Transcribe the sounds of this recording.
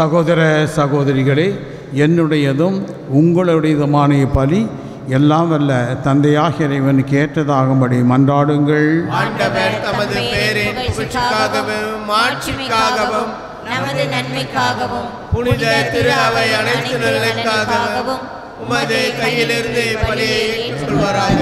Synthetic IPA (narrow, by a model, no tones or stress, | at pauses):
sɐɣoːðɐɾɐsɐɣoːðɐɾɪɣɐɭeː | ɛnːɯɽɐjɐðɯm | ʊŋɡɐɭɐɯɽɐjɪðɯmaːnɐjɐpɐli | ɛlːaːmʋɐlːɐt̪ɐnd̪ɐjaːɣɪɪɾɐɪʋɐnkeːʈɾɐðaːɣɯmbɐɽimɐndraːɽɯŋɡɐɭɐɳɐʋɐnt̪ɐmɐðɯpeːɾɪnpʊɾɪɪkːaːɣɐʋɯmaːʈt͡ʃɪkːaːɣɐʋɐm | nɐmɐðɯnɐnmɪkːaːɣɐʋɐm | pʊnɪɐt̪ːɪɾɐʋɐɪɐnɐɪt̪ːɯnɐlɐkːaːɣɐʋɯ | ʊmɐðekɐjɪlɪɾɯnd̪epːɐlɪjɐeɪɯʋɐɾaː